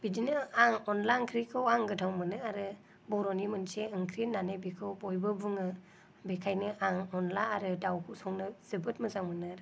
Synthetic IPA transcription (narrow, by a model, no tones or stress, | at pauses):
b̥idinɯaŋɔnlankʰɾikʰɯwaŋɡɯtʰaŋmɯnɯaɾɯ | bɔɾɔnimɯnseɯŋkʰɾinːanajbikʰɯwbɔjbɯbuŋɯ | bekʰajnɯʔaŋɔnlaːɾɯdawkʰusɔŋnɯz̥ɯbɯt̚mɯzaŋmɯnɯɾ